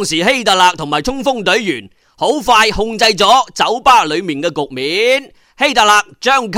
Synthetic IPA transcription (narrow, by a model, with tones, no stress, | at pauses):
ŋsiː˨˩he˥jt̪a˨˩laː˧k̚t̪ʰʊ˨˩ŋmaː˨˩jtʰʊ˥ŋfʊ˥ŋt̪ɵ˨˥ɥjyː˨˩n | ho˨˥wfaː˧jhʊ˧ŋt͡sɐ˧jt͡sɔː˨˥t͡sɐ˨˥wpaː˥lɵ˨˧ɥmiː˨˩nkɛː˧kʊ˨k̚miː˨˦n | he˥jt̪a˨˩laː˨˧k̚t͡ʃœː˥ŋkʰ